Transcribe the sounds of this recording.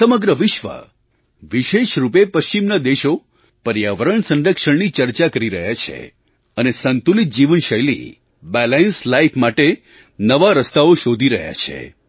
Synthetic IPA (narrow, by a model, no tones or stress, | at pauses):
səməɡɾəʋɪʃʋə̰ | ʋiʃeʃɾupepəʃt͡ʃimnad̪eʃo | pəɾjaʋəɾəɳsə̃nɾəkʃəɳnit͡ʃəɾt͡ʃakəɾiɾə̰ɦjat͡ʃʰḛ | ənesənt̪ulit̪̚d͡ʒiʋənʃəjlḭ | bɛlenslaipʰmaʈe | nəʋaɾəst̪aoʃod̪ʱiɾəɦja̰t͡ʃʰḛ